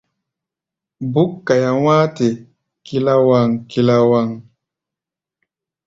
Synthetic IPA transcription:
bu˦kːa˨ja˨w̃aː˦te˨ | ki˦la˦wa˦˨ŋki˨la˦wa˦˨ŋ

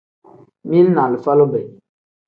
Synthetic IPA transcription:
mi˦lnã˨li˨fa˦lo˦bɛ˨

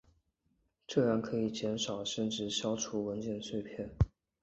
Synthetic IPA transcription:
ʈ͡ʂɤ˥˧ɻa˥˩nkʰɤ˧˥i˨˩t͡ɕjɛ˧˥nʂɑ˨˩ʊʂə˥˧nʈ͡ʂɻ̩˥˩ɕjɑ˥ʊʈ͡ʂʰu˧˥wə˧˥nt͡ɕjɛ˥˧nswe˥˧ɪpʰjɛ˥˩n

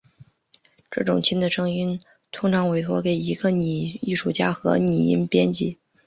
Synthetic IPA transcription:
ʈ͡ʂɤ˥˩ʈ͡ʂʊ˨˩ŋt͡ɕʰi˥nd̪ə˨ʂɤ˥ŋi˥n | t̪ʰʊ˥ŋʈ͡ʂʰɑ˧˥ŋwe˧˥ɪxwɔ˧˥ke˨˩ɪi˧˥ɡə˧ni˨˩i˥˧ʂu˥˩t͡ɕja˥xɤ̰˧˥ni˨˩ḭ˥npjɛ˥nt͡ɕi˥˩

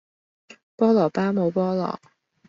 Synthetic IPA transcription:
pɑ˥ʊlɑ˨˩ʊpa˥mɔ˧˥pɑ˥ʊlɑ̰˨˩˦

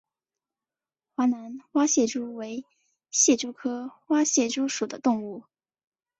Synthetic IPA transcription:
xwa˧˥na˧˥nwa˥ɕjɛ˥˩ʈ͡ʂu˥we˧˥ɪ | ɕjɛ˥˩ʈ͡ʂu˥kʰɤ˥xwa˥ɕjɛ˥˩ʈ͡ʂu˥ʂu˨˩d̪ə˦t̪ʊ˥˧ŋu˥˩

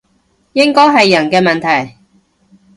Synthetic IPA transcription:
jɪ˥ŋkɔː˥jɦɐ˨jːɐ˨˩nkɛː˧mɐ˨nt̪ʰɐ˨˩j

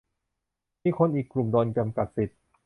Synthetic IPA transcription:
miː˧˥˩kʰo˧˥nʔiː˨˩kːlu˨˩mdɔː˧nt͡ɕa˧mka˨˩t̪̚si˨˩t̪̚

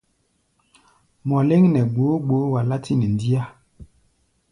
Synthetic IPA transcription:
mɔ˨le˦ŋnɛ˨ɡ͡bo˨˦ɡ͡bo˨˦wa˨la˦ti˦nɛ˨n˨di˦a˦

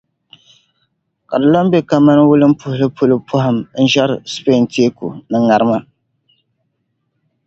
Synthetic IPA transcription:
ka˨dɨ˨la˦m˦be˦ka˦ma˦n˦wʊ˦lɨ˦m̩˦pʊ˦hʊ˦lɨ˦pʊ˦lɨ˦pʰʊ˦ɦɪ˨mn̩˦ʒɛ˦ɾspe˦˨n˨ti˦e˦kṵ˨nɨ˦ŋa˨ɾɨ˦ma˦

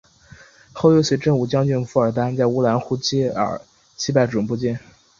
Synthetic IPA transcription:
xo˥˧ʊjɛ˥˧ɕɛ˧˥ʈ͡ʂə˥˧ŋu˨˩t͡ɕjɑ˥ŋt͡ɕy˥˧nfu˧˥ə˞˨˩t̪a˥nt͡sa˥˧ɪu˥la˧˥nxu˧˥t͡ɕɛ˥˩ə̰˞˨˩˦ | t͡ɕʰi˥pa˥˩ɪʈ͡ʂʊ˨˩pu˥˧t͡ɕjɛ˥˩n

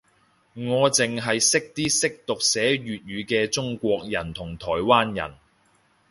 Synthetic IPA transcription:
ŋɔː˨˧t͡sɪ˨ŋɦɐ˨jsɪ˥k̚t̪iː˥sɪ˥k̚t̪ʊ˨k̚sɛː˨˥ɥyː˨t̚ɥyː˨˧kɛː˧t͡ʃʊ˥ŋkʷɔː˧k̚jɐ˨˩nt̪ʰʊ˨˩ŋt̪ʰɔː˨˩jwaː˥njɐ̰˨˩n

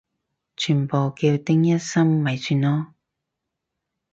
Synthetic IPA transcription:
t͡ʃʰyː˨˩npo˨wki˧wt̪ɪ˥ŋjɐ˥t̚sɐ˥mːɐ˨˩jsʰyː˨nɔː˧

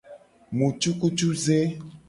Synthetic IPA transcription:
mũ˨t͡ʃu˦ku˦t͡ʃu˦ze˦

